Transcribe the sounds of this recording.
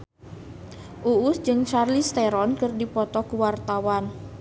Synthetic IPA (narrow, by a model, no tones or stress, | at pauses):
ʔuːsd͡ʒɨŋt͡ʃarlist̪ɛɾɔnkɨrdipɔt̪ɔkuwart̪awan